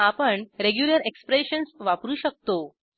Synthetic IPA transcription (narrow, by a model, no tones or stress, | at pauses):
apəɳɾeɡjuləɾekspɾeɕənsʋapɾuːɕək̚t̪o